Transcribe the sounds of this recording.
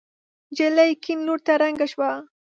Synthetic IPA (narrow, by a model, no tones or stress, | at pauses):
d͡ʒelajkɪnlʊɾt̪aɾaŋɡaʃwa